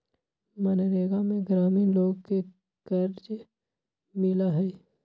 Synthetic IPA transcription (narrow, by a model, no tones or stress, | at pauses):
mɐnɾeːɡamẽɡɾaːmiːnloːɡke | kəɾd͡ʒ | mɪlaɦɛː